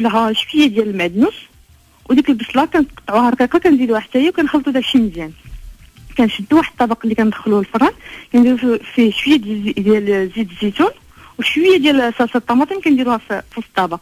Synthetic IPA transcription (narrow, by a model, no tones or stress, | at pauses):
lɦæʃwəjːad̪jæləlmæd̪nus | wd̪ikəlbəsˤlɑkænt̪qɑ̥t̪ˤːʕuhæɾˤɑqiqɑkænzid̪uwaħd̪sæjæwkænxɑlt̪ˤud̪æʃiməzjæn | kænʃəd̪t̪uwaħəd̪̚t̪ˤːɑbɑqɑlːikænd̪xəluhlfɑɾˤɑnkænd̪iɾufiʃwəjːad̪d̪jælzid̪zit̪un | wʃwəjːad̪jælsælsɑt̪ˤːɑmɑt̪ˤəmkænd̪iɾuhæffust̪ˤːɑbɑq